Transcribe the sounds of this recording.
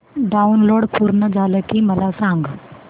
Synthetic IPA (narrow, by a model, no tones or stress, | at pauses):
ɖaunloːɽpʰuɾnəd͡zʱaləkiməlasãŋɡ